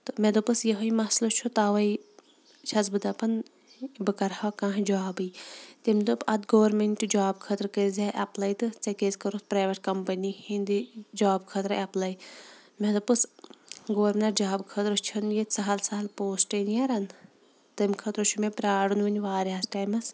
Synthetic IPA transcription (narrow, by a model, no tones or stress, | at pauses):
t̪ɨmed̪opɨsjɐɦɐimɐslot͡ʃʰut̪aːʋɐj | t͡ʃʰɐzbɨd̪ɐpɐn | bɨkɐɾhaːkãːɦd͡ʒaːbɨjt̪imʲd̪opɐd̪ɡɐːɐɾmeɳʈud͡ʒaːbkʰɐt̪ɾkezaʔɐplɐjt̪ɨt͡sɐkezkɐɾospɾaːʋɐʈ̚kɐmpɐnʲihind̪id͡ʒaːbkʰɐt̪ɾɨɐplɐjmed̪opɨsɡoʋɐɾnɐɾd͡ʒaːbkʰɐt̪ɾot͡ʃʰɐnjet̪sɐɦɐlsɐɦɐlpoːsʈɐnjaɾɐn | t̪ɐmkʰɐt̪ɾot͡ʃʰumepɾaːɽunʋɐnʲʋaːɾasʈaːjmɐs